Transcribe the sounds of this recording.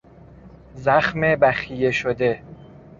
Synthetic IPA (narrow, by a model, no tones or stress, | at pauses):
zæxmebæxijeʃod̪e̞